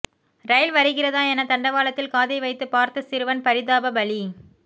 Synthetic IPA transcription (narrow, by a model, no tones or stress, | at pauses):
ɾɐɪlʋɐɾɯɣɪrɐðaːɛnɐt̪ɐɳɖɐʋaːlɐt̪ːɪlkaːðɐɪʋɐɪt̪ːɯpaːɾt̪ɯsɪɾɯʋɐnpɐɾɪðaːbɐbɐɭi